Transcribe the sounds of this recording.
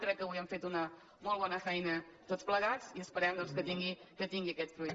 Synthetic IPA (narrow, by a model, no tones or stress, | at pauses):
kɾɛkːəwiəɱfet̪unə | molˠβɔnəfɛjnət̪otspləɣat͡siəspəɾɛmd̪ɔnskət̪iŋɡikət̪iŋɡiəkɛt̪spɾu